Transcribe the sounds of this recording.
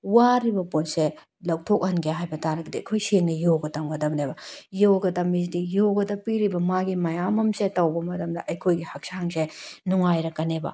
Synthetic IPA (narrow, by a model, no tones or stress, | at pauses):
waɾibɐponse | lɐwtʰok̚hɐnɡeɦajbɐtaɾɐɡidiɐjkʰojseŋnɐjoɡɐtɐmɡɐdɐmnebɐjoɡɐtɐmis̬dijoɡɐdɐpiɾibɐmaɡimɐjamɐmsetɐwbɐmɐtʰɐmdɐʔɐjkʰojɡihɐk̚saŋsenuŋajɾɐkɐnebɐ̰